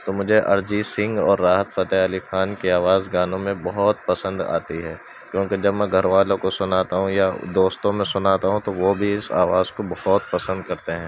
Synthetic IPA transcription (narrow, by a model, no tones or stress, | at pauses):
t̪omʊd͡ʒʱeʔɐɾd͡ʒisɪ̃ŋɡɔːɾːaːɦət̪fɐt̪ɛɐlixaːnkiaːʋaːzɡaːnõmẽbɐɦɔt̪pɐsə̃nd̪a̰ːt̪iɦɛː | kjõːked͡ʒɐbmɛ̃ɡʱɐɾʋaːlõkosʊnaːt̪aɦũjad̪oːst̪õmẽsʊnaːt̪aɦũt̪oʋobʱiɪsa̰ːʋaːzkobɐhɔt̪̚pɐsə̃nd̪̚kɐɾt̪eɦɛ̃ː